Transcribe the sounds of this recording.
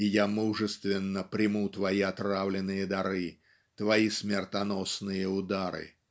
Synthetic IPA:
ɪjamuʐɨst̪vʲɪnːəpɾʲɪmut̪vɐiɐt̪ɾavlʲɪnːɨjəd̪ɐɾɨ | t̪vɐismʲɪrt̪ɐnosnɨjəʊd̪aɾɨ̰

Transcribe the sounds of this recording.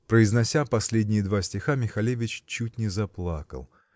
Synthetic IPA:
pɾəɪznɐsʲapɐsʲlʲedʲnʲɪjəd̪vasʲtʲɪxamʲɪxɐlʲevʲɪt͡ɕt͡ɕːut̚ʲnʲɪzɐplˠa̰kə̰lˠ

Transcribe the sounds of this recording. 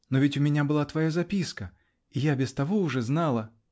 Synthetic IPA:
novʲɪtʲʊmʲɪnʲabɨlˠat̪vɐjazɐpʲiskə | ijabʲɪst̪ɐvoʊʐɛznalˠə

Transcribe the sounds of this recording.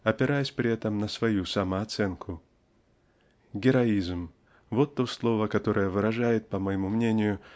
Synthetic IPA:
ɐpʲɪɾajəsʲpɾʲɪɛt̪əmnəsvɐjusɐməɐt̪sɛnkʰʊ | ɡʲɪɾɐizm | vo̞t̪ːo̞slˠo̞vəkɐt̪o̞ɾəjəvɨɾɐʐajɪt̪̚pəməjɪmumnʲenʲɪjʊ

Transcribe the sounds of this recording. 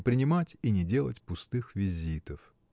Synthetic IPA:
pɾʲɪnʲɪmatʲinʲɪdʲe̞lˠətʲpʊst̪ɨxvʲɪzʲit̪əf

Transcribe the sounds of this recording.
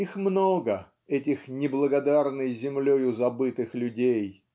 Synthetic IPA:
ixmnoɡə | ɛtʲɪxnʲɪblˠəɡɐd̪arnɨjzʲɪmlʲojʊzɐbɨt̪ɨxlʲʊdʲej

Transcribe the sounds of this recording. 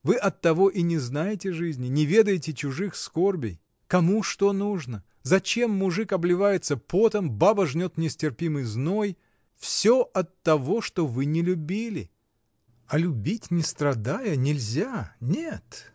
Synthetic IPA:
vɨʔɐt̪ːɐvo̞ʔinʲɪznajɪtʲɪʐɨzʲnʲɪnʲɪvʲe̞d̪əjɪtʲɪt͡ɕʊʐɨxskorbʲɪj | kɐmuʂt̪o̞nuʐnə | zɐt͡ɕe̞mːʊʐɨkɐblʲɪvajɪt̪səpo̞t̪əmbabəʐnʲo̞t̪nʲɪsʲtʲɪrpʲimɨjzno̞j | fsʲoɐt̪ːɐvo̞ʂt̪ovɨnʲɪlʲʊbʲilʲɪ̰ | ɐlʲʊbʲitʲnʲɪst̪ɾɐd̪ajənʲɪlʲzʲanʲet̪

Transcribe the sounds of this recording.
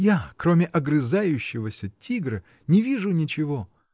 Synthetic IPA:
jakɾo̞mʲɪʔɐɡɾɨzajʉɕːɪvəsʲətʲʰiɡɾɨ | nʲɪvʲiʐʊnʲɪt͡ɕɪvo

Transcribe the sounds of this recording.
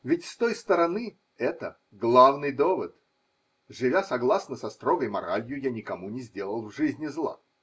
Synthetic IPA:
vʲɪtʲst̪ojst̪əɾɐnɨ | ɛt̪ə | ɡlˠavnɨjd̪ovət̪ | ʐɨvʲasɐɡlˠasnəsɐst̪ɾoɡəjmɐɾalʲjʊjanʲɪkɐmunʲɪzʲdʲe̞lˠəlˠvʐɨzʲnʲɪzlˠa̰

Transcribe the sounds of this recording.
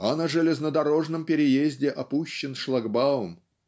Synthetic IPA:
ɐnəʐɨlʲɪznəd̪ɐɾo̞ʐnəmpʲɪɾʲɪjezʲdʲɪʔɐpuɕːɪnʂlˠɐɡbaʊm

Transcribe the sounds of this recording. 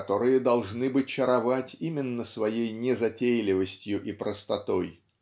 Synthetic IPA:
t̪o̞ɾɨjəd̪ɐlˠʐnɨbɨt͡ɕəɾɐvatʲimʲɪnːəsvɐjejnʲɪzɐtʲejlʲɪvəsʲtʲjʊʔipɾəst̪ɐt̪o̞j

